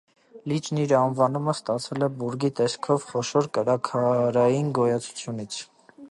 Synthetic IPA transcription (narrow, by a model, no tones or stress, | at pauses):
lit͡ʃniɾɑnvɑnuməst̪ɑt͡sʰɛlɛbuɾɡit̪ɛskʰɔvχɔʃɔɾkəɾɑkʰɑɾɑjinɡɔjɑt͡sʰu̥t͡sʰjunit͡sʰ